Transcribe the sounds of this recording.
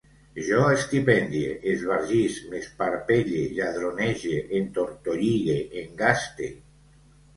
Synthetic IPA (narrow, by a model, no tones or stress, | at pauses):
ʒɔest̪ipɛnd̪jeʔezβaɾʒislespaɾpeʎeʎaðɾoneʒeʔent̪oɾt̪oʎiɣeʔeŋɡast̪ḛ